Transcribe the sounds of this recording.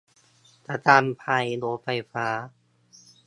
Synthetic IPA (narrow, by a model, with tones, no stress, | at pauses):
t̪a˧˩t̪aː˧˩mpʰa˧jloː˧˥fa˧˩jfaː˦˥